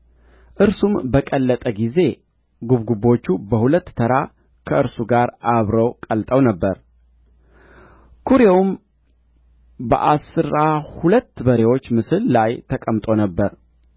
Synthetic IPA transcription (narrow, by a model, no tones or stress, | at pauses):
ʔɨɾsumbəkʼəlːət̪ʼəɡize̞ | ɡuβɡubo̞t͡ʃːubəhulət̪ːʰəɾa | kʰəɨɾsuɡaɾʔaβɾəwkʼəlt̪ʼəwnəbːəɾ | kʰuɾewum | bə̰ʔasɨɾahulət̪ːbəɾewo̞t͡ʃːmɨsɨllajt̪ʰəkʼəmt̪ʼo̞nəbːəɾ